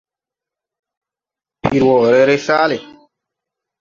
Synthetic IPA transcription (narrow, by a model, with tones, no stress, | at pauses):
pi˨ɾwɔ˨ɾɛ˦ɾe˦saː˦le˨